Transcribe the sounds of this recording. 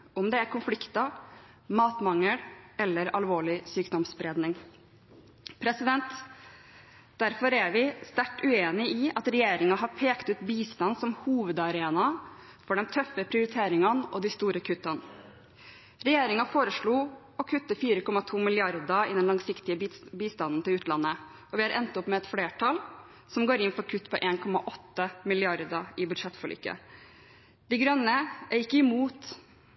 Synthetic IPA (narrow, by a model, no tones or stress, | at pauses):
ɔmd̪ɛæɾkʊnflɪkt̪ɑ | mɑːt̪mɑŋːəɽɛlːəɾɑlʋoːɭɪsyːkd̪ɔmsbɾeːd̪nɪŋ | pʰɾɛsɪd̪ɛnt̪ | d̪̥æɾfɔɾæʋɪst̪æʈːʉeːnɪɪɑt̪ɾɛjeːɾɪŋɑɦɑɾpʰeːkt̪ʉːt̪biːst̪ɑnsɔmhuːʋəd̪ɑɾeːnɑ | fɔɖɛnt̪ʰœfəpʰɾɪʊɾɪt̪ʰeːɾɪŋɑnɔ̰d̪ɪst̪uːɾəkʰʉt̪ːɑn | ɾɛjeːɾɪŋɑfoːɾəʂɭuː | ɔkʰʉt̪ːəfiːɾəkʰɔmɑt̪ʰuːmɪlɪɑɾd̪əɪ̰d̪ɛnlɑŋsɪkt̪ɪəbiːst̪ɑnn̩t̪ɪlʉːt̪lɑnːə | ɔʋɪɑɾʔɛ̰nt̪ɔpmɛɛt̪fleːʈʰɑl | sɔmɡoːɾɪnfɔɾkʰʉt̪ːpʰɔʔeːnkʰɔmɑʔɔt̪ːəmɪlɪɑɾd̪ɑɪbʉd̪ʂɛt̪ːfɔɭy̰ːkːə̰ | d̪̥ɪɡɾœnːəʔæɾɪkːəɪmuːt̪